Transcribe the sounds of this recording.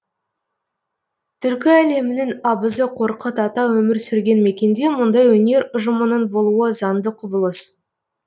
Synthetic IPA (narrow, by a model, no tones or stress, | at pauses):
t̪ʰʏɾkʲɪæle̞mɪnɪŋɑbəzəqʰo̞ɾqət̪ɑt̪ɑwɵmɪɾsʏɾɡʲe̞nme̞kʲe̞nd̪e̞mʊnd̪ɑjwɵne̞ɾʊʒʊmənəɴbo̞lˠuəzɑnd̪əqʰʊbəlˠəs